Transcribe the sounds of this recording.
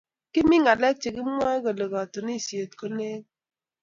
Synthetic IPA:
kɪ˦mɪ˦ŋa˨lɛ˦k̚t͡ʃi˨ɡɪ˦a˦ko˨lə˨ɣa˨to˨ni˦˨sje˨t̚ko˦ne˦ŋ

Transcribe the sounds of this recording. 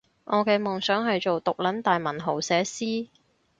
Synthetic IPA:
ŋʔɔː˨˧kɛː˧mʊ˨ŋsœː˨˥ŋɦɐ˨jt͡ʃo˨wt̪ʊ˨k̚lɐ˨˥nt̪aː˨jmɐ˨˩nɦo˨˩wsɛː˨˥siː˥

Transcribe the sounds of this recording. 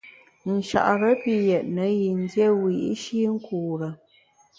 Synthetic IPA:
n̩˨ʃa̰˨ʔɾə˦pi˦jɛ˨ʔ̚nə˨˦ji˨n̩˦djɛ˦wi˨˦ʃi˦ŋ̩˦kʰuː˨ɾə˨

